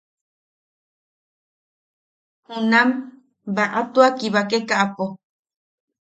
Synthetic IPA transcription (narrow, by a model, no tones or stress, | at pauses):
hũnãm | baʔat̪uakiβakekaʔapo